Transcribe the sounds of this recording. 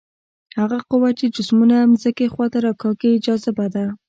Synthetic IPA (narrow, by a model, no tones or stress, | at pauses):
haɣaqʊwat͡ʃed͡ʒʊsmunamzəkexwɑt̪aɾakɑkeɪd͡ʒɑzabad̪a